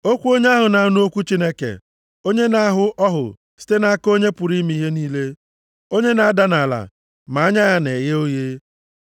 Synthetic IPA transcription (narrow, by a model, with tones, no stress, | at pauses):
o˦kʷu˦o˦ɲe˦a˦ɦʊ˨na˨˦nu˦o˦kʷu˦t͡ʃi˦ne˦kḛ˨ | o˦ɲe˦na˦a˦ɦʊ˦ɔ˦ɦʊ̰˨ | si̥˦te˦na˦a˦ko˦ɲe˦pʊ˨ɾi˦mi˦ɦe˦niː˦le˦ | o˦ɲe˦na˨a˦da˦na˨la̰˨ | ma˨a˦ɲa˦ja˦ne˨ɣe˦o˦je˦